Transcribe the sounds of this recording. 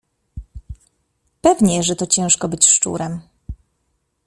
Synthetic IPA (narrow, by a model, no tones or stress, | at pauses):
pɛvɲɛʐɛt̪ɔt͡ɕɛ̃w̃ʂkɔbɘt͡ɕʂt͡ʂṵɾɛm